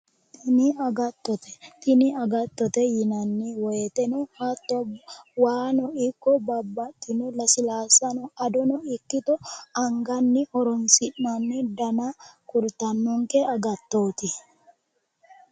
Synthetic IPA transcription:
ɪniɐɡɐt̪ːɔt̪ɛt̪ɪnɪɐɡɐt̪ːɔt̪ɛjɪnɐnːiwɔɛt̪ɛnɛhat̪ːɔwaːnɔɪkːɔbɐbːɐt̪ːɪnʊlɐsɪlaːsɐnɔɐd̪ɔnɔɪkːɪt̪ɔɐŋɡɐnːɪhɔɾɔmsɪnːanːɪd̪ɐnakʊɾt̪ɐnːɔŋkeɐɡɐt̪ːoːt̪ɪ

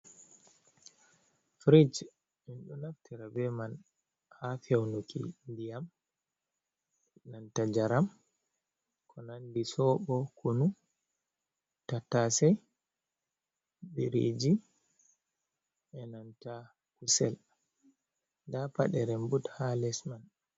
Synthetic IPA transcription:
fɾid͡ʒ | minɗɔnaftʰiɾabɛman | hafɛwnukʰḭndijam | ɛnantad͡ʒaɾam | kʰɔnandisɔɓɔkʰunu | tatasɛj | biɾḭd͡ʒi | ʔɛnanta | kusɛl | dapa̰ɗɛɾɛmbuthalɛsman

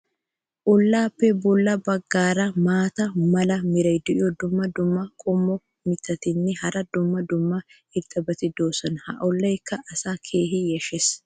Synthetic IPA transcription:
ʔʊlːaːpːɛbʊlːɐbɐɡːaːɾɐmaːt̪ɐmɐlɐmɪɾɐjd̪ɪʔɪɔd̪ʊmːɐd̪ʊmːɐkʼʊmːɔ | mɪt̪ʰːɐt̪ɪnːɪhɐɾɐd̪ʊmːɐd̪ʊmːɐ | ɪɾt̪ʼɐbɐt̪ɪd̪oːsɐnhɐ̰ʔɔlːɐjkʰːɐʔɐsaːkʰe̞ːɦɪjɛʃɛs

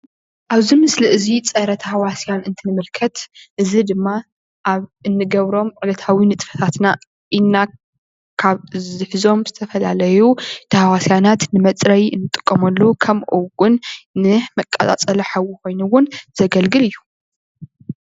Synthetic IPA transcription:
ʔaβzimɨsliʔɨzit͡sʼɐɾɐt̪ʰɐhawasijanɨnt̪ʰɨnɨmɨlkʰɐt̪ʔɨzid̪ɨmːa | ʔaβɨnːɨɡɐβɾo̞mʕʼɨlɐt̪ʰawinɨt̪ʼfɐ̥t̪ʰat̪na | ʔinːa | kʰaβzɨħzo̞mzɨt̪ʰɐfɐlalɐjut̪ʰɐhawasjanat̪nɨmɐt͡sʼɾɐjɨnːɨt̪ʼɨ̥kʼːɐmɐlːokʰɐmʔuɡʼʊnːɨmɐkʼːɐ̰tʼa̰t͡sʼɐlɐħawukʰo̞jnuwʊnz̥ɐɡɐlɡɨlɨjːu

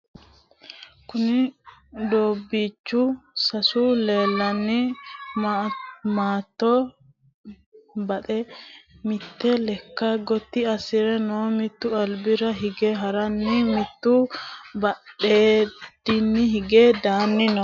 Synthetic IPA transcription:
kʊnɪd̪oːbːit͡ʃːusɐsule̞ːlːɐnːi | maːt̪ːoː | bɐt̪ʼɛmɪt̪ːɛlɛkːaɡɔt̪ːiɐsɪɾɛnoːmɪt̪ːʊɐlbɪɾɐɦɪɡɛɦɐɾɐnːimɪt̪ːubɐɗeːd̪ɪnːɪhɪɡed̪aːnːɪnɔ

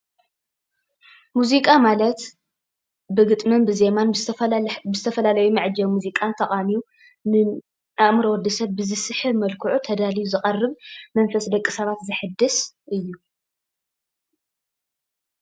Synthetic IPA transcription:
muzikʼamalɐt̪ | bɨɡɨt̪ʼmɨnbɨze̞man | ɨzɨt̪ʰɐfɐlalɐjumɨʕd͡ʒɐwmuzikʼant̪ʰɐχʼamiu | nɨ | aʔmɨɾɐwɔd̪ɐsɐβːɨzɨsɨħɨmɐlkʰɨʕut̪ʰɐd̪alijuzɨχʼɐrːɨβmɐnfɐsd̪ɐkʼːisɐβat̪zɨħɨd̪ɨsʔɨjːu

